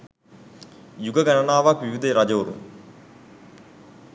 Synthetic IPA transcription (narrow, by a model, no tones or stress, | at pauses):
juɡəɡɐnɐnaːʋakʋiʋid̪eɾɐd͡ʒouɾṵm